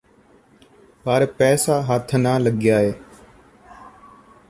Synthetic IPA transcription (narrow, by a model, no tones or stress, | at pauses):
paːɾepɛːsaːɦaːt̪ʰnaːləɠjaːɦeː